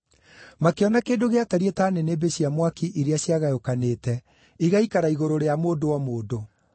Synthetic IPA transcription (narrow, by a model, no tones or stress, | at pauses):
makeɔnakeːndoɣeataɾietaneneːbeɕiamwakiʔiɾeaɕjaɣajokaneːtɛ | iɣaikaɾaiɣoɾoɾeamoːdowamoːdo